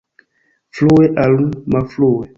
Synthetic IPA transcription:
fluwɛʔalumafluwɛ

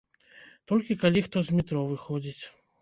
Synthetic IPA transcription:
t̪ɔlʲkʲikalʲixt̪ɔzʲmʲit̪ɾɔvɨxɔd͡zʲit͡sʲ

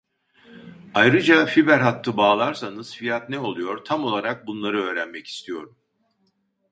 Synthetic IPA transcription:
ajɾɯd͡ʒafibæɾɦat̪ʰːɯbaːlˠaɾsanɯz̥fijat̪nɛo̞lˠujo̞ɾt̪ʰamo̞lˠaɾak̚bunlˠaɾɯø̞ːɾænmɛci̥st̪ʰijo̞ɾum

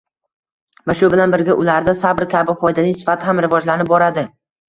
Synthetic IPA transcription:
vaʃʊbɪlanbɪɾɡʲaʔʊlaɾd̪asabɪɾkʲʰabɪχɒjd̪anɪŋsɪ̥fat̪ʰɪhamɾɪvɒd͡ʒlanɪp̚bɒɾad̪ɪ

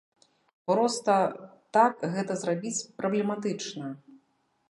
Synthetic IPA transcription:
pɾɔst̪ɐt̪akɣɛt̪ɐzrabʲit͡sʲpɾɐblʲɛmat̪ɨt͡ʂnɐ

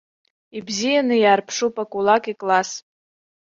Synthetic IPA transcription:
ibzijanɨjaːrpʰʂupʼakʷʼulakʼikʼlas

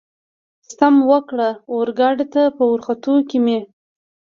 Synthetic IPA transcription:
st̪amwəkɽaoɾɡɑɖet̪apəwʊɾxat̪okime

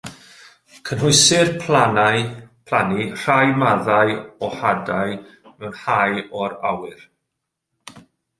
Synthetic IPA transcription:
kʰənɦʊɨsɪrpʰlanajpʰlˠanir̥ajmaðajɔhadaj | mɛwnhajɔɾawɪr

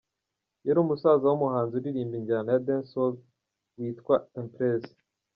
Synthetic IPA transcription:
jeɾuːmusaːzawumuhaːnzuɾiɾiːmbiɲɟanajadensol | wiːtkwaempɾez

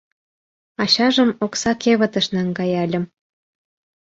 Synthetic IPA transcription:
ɑɕɑʒə̆moksɑkʰeβə̆t̪ə̆ʃnæŋɡɑjɑlʲə̆m

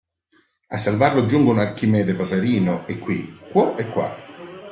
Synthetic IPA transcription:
a̰sːalvarlod͡ʒuŋɡunarkimɛːd̪epapeɾiːnoʔekːwḭkwɔʔɛkːwa̰

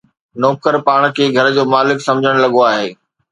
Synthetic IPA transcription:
nɔːkəɾpaːɽ̃kʰeːɡʱɐɾd͡ʑoːmaːlɪksɐ̃md͡ʑʱəɽ̃lɐɠoaːɦeː

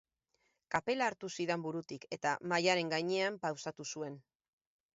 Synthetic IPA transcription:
kape̞laːɾt̪usiðe̞mbuɾut̪ike̞t̪amajaɾe̞ŋɡajɲe̞ampawsat̪usue̞n

